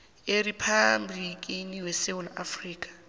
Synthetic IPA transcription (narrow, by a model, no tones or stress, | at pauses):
eripʰablikʼiniwesewula̰friːkʼḁ